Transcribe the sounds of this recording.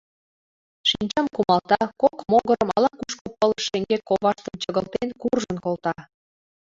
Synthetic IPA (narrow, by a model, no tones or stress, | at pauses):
ʃinʲt͡ɕɑmkumɑlt̪ɑkokmoɣɤɾəmɑ̰lɑkuʃkopɤlə̆ʃeŋɡekoβɑʃt̪ənt͡ɕəɣəlt̪enkurʒənkolt̪ɑ